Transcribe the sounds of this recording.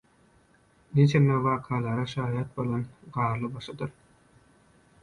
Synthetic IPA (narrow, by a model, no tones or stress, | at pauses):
net͡ʃʰenːeʋɑːqʰɑːlˠɑɾɑʃɑːjɑt̪̚bo̞lˠɑnɢɑːɾlˠɯbɑʃɑd̪ɯɾ